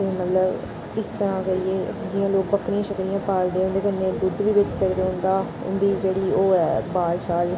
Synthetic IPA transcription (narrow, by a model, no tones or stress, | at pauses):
emət̪ləb | ɪst̪əɾãːkəieːd͡ʒɪjãːloːk̚bəkɾɪãːʃəkɾɪjãːpaːld̪eːʊnd̪eːkəɾneːd̪ʊd̪ʋiːʋɪt͡ʃseɾd̪eʊ̃nd̪aː | ʊ̰nd̪iːd͡ʒeːɽiːoːɛːbaːlʃaːl